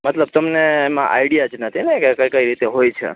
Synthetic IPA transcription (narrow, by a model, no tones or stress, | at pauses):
mət̪ləb̚t̪əmneːmã̰ʔa̰iɽijad͡ʒnət̪ʰinɛkekəjkəiɾit̪eɦojt͡ʃʰḛ